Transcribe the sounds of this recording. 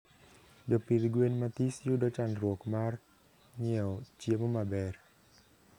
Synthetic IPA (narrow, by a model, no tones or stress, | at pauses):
d͡ʒɔpid̪ɡwenmat̪isjudɔt͡ʃanɾwɔkmar | ŋɪɛɔt͡ʃjemomabɛr